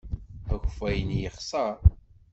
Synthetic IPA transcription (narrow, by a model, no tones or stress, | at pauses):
æçfæjənjəχsˤɑɾˤ